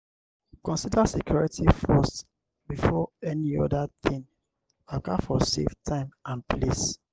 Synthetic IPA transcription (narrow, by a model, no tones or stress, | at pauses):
kɔ̃nsidasekʰjɔɹitifɔs | bifɔɛniɔdatĩŋ | akafɔsḛftʰãɪ̃mãnplis